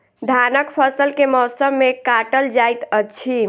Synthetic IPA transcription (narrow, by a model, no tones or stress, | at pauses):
d̪ʱanəkpʰəsəlkemɔsəmːekaʈəld͡ʒajt̪ət͡ʃʰi